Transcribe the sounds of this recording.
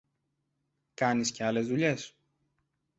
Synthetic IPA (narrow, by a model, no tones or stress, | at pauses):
kɐnisce̞ɐle̞zðuʎe̞s